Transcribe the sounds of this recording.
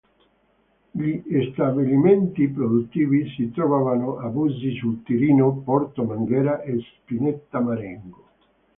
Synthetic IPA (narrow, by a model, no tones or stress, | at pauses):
ʎiːst̪abilimɛnt̪ipɾod̪ut̪ːiːvisit̪ɾɔvaːvanʊʔabuzisult̪iɾiːnopɔɾt̪omaŋɡɛːɾaʔespinɛt̪ːamaɾɛŋɡo